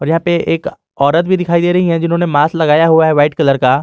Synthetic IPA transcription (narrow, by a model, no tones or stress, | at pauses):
ɔːɾjɐɦãpeʔeːk | ɔːɾət̪̚bʱid̪ɪkʰaːid̪eːɾɐɦiɦɛ̃d͡ʒɪnɦõːnemaːslɐɡaːjaɦuaɦɛʋaːɪʈkɐləɾkaː